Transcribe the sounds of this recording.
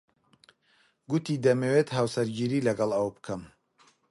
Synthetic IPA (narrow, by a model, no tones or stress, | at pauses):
ɡut̪id̪ɐmewet̪ɦawsɐɾɡiːɾiːlɐɡɐlˠɐwbɨkʰɐm